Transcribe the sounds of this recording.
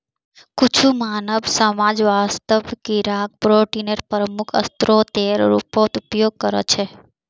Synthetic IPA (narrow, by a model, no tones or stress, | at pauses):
kut͡ʃʰumanəʋsəmad͡ʒʋast̪əʋkiɾak̚pɾoʈinəɾpɾəmukʰə̰st̪ɾot̪eɾɾṵpot̪upjoɡ̚kəɾḛt͡ʃʰe